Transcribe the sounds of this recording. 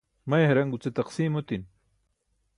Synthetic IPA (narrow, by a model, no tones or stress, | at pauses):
mɐjɦɐɾɐŋɡut͡set̪ɐqsiːmot̪in